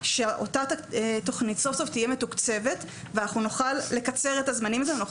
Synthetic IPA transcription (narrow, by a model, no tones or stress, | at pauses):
ʃeʔo̞̰tato̞χnitso̞fsoftijeme̞tukt͡se̞ve̞t | veanaχnunoχalːe̞kat͡se̞ʁetazmanimazeno